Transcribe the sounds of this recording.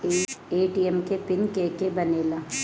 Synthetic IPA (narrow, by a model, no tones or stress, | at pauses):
eeːʈiɛmkepɪnkeːkebɐneːla